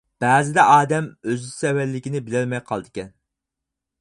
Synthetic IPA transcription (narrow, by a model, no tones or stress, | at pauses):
b̥æːzɪd̪ɛʔɑːd̪ɛmøzsɛwælːɪkʲinɪbɪlɪɾmɛjqʰɑlˠɨd̪ɨkʲɛn